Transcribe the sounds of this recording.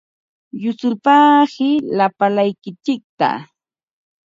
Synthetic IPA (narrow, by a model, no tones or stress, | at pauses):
jʊt͡sʊlpaːhɪlapalajkɪt͡ʃɪk̚t̪a̰